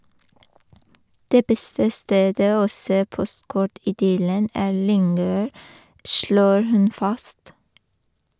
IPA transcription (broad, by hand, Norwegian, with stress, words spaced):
ˈdeː ˈbɛstə ˈsteːdə ˈoː ˈseː ˈpɔstˌkɔʈ ɪˈdʏlən ˈæːɾ ˈlʏŋøːɾ ˈʃloːɾ ˈhʉn ˈfɑst